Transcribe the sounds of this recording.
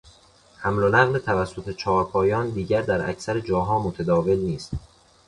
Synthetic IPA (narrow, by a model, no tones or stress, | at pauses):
hæmlonæɣlet̪ʰævæsːo̞t̪ʰe̞t͡ʃʰɒːɾpʰɒːjɒːnd̪iːɟæɾd̪æɾæ̰cʰsæɾed͡ʒɒːɦɒːmot̪ʰæd̪ɒːve̞lniːst̪